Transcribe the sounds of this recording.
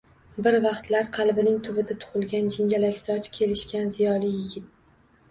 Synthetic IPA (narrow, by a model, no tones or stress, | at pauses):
bɪɾvɑqt̪laɾqʰɑlˠbɪnɪŋt̪ʰʊbɪd̪at̪ʰʊ̥χʊlˠɡʲand͡ʒɪŋʲalakʲsɒt͡ʃkʲʰe̞lɪʃkʲanzɪjɒlijɪɡʲɪt̪̚